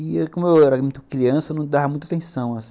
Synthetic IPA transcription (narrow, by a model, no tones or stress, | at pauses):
ɪkõmʊewɛɾɐmĩt̪kɾiɐ̃sɐnɐ̃w̃d̪avɐmũj̃t̪̬at̪ẽsɐ̃w̃asĩ̥